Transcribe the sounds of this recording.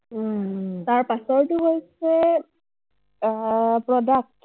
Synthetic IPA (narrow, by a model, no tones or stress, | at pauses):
taɹpasɔɹtuɦojsɛ | pɹɔdak̚t